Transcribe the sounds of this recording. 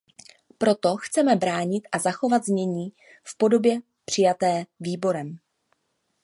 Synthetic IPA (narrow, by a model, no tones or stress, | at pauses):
pɾo̞t̪o̞xt͡sɛmɛbɾaːɲɪt̪ʔazaxo̞vad̪zɲɛɲiː | fpo̞do̞bjɛ | pr̥ɪjat̪ɛːviːbo̞ɾɛm